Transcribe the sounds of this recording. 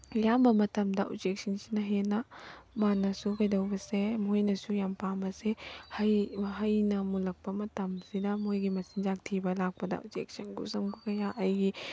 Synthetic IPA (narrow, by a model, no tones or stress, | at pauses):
jambɐmɐtɐmdɐʔṵd͡ʒek̚sɐnsi̥nɐɦenɐmanɐsukʰɐjdɐwbɐsemojnɐsujampambɐsehɐjɦɐjnɐmulɐk̚pɐmɐtɐmsidɐmojɡimɐsind͡ʒak̚tʰibɐlak̚pɐdɐ̰ʔṵd͡ʒḛk̚sɐnɡṵsɐmɡukɐjaʔɐjɡi